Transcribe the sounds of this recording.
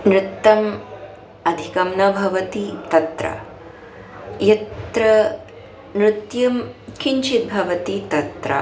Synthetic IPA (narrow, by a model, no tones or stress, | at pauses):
nɾut̪ːɐm | ɐd̪ʱikɐmnɐbʱɐʋɐt̪it̪ɐt̪ɾɐ̰ | jɐt̪ɾɐ | nɾut̪jɐmkʰiɲt͡ʃit̪̚bʱɐʋɐt̪it̪ɐt̪ɾɐ̰